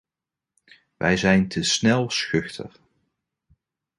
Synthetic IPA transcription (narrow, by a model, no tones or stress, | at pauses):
ʋɛ̰jzɛjntʰəsnɛlˠsxʏχtʰə̰χ